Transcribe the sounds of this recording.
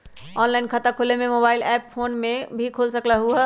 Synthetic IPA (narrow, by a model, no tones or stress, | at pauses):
ɔnlainkʰət̪akʰolememobailɛppʰonmebʱikʰolsəklaɦuə